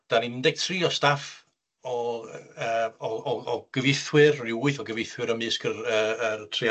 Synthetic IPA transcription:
d̥aninndɛɡ̥̚tʰriːɔstaf | ɔəːɔɔɔɡ̥əvɪθwɨrrɪuɨθɔɡəvɪθwɨɾəmɨskʰərəərtʰri

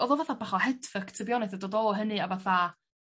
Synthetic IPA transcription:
ɔðɔvaθabaχɔhɛdfəktʰəbjɔnaθɔdodoːlˠɦənɨavaθa

